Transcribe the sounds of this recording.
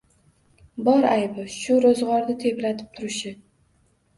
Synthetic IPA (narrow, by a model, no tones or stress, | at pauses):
bɒɾajbɪʃʊɾozʁɒɾd̪at̪ʰe̞pɾat̪ʰɪ̥p̚t̪ʰʊɾɪʃɪ